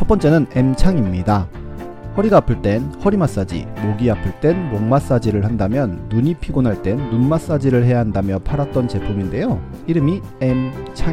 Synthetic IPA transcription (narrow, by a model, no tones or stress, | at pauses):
t͡ɕʰʌp͈ʌnt͡ɕ͈e̞nɯne̞mt͡ɕʰaŋimɲida | hʌɾiɡaːpʰɯɭt͈e̞nhʌɾimas͈ad͡ʑḭmoɡiapʰɯɭt͈e̞nmoŋmas͈ad͡ʑiɾɯɭhandamjʌnːuɲipʰiɡonɦaɭt͈e̞nːunmas͈ad͡ʑiɾɯɭɦe̞jaɦandamjʌpʰaɾat̚t͈ʌnt͡ɕe̞pʰuminde̞jo | iɾɯmi | e̞mt͡ɕʰa